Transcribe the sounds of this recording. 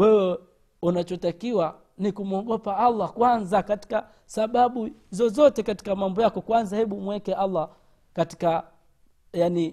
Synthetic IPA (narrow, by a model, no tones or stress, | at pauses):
wɛwɛ | unat͡ʃɔtakiwa | nikumuɔɡɔpaalːakwanzakati̥ka | saɓaɓuzɔzɔtɛkati̥kamambɔjakɔkwanzahɛɓumwɛkɛʔalːa | kati̥ka | jani